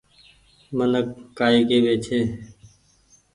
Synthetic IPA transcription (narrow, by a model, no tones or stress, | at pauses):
mənəkːaːiːkeːʋeːt͡ʃʰeː